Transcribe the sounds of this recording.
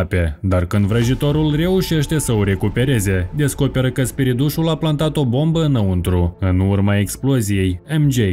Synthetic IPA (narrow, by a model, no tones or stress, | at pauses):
pe̞d̪arkɨnd̪vɾəʒit̪o̞ɾulre̞uʃe̞ʃt̪e̞səoɾe̞kupe̞ɾe̞ze̞d̪e̞sko̞pe̞ɾəkəspiɾid̪uʃulaplant̪at̪o̞bo̞mbəɨnəunt̪ɾuɨnurmae̞ksplo̞zije̞jemd͡ʒe